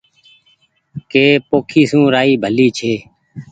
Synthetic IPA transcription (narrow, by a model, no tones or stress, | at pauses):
keːpoːkʰiːsũːɾaːiːbʱəliːt͡ʃʰeː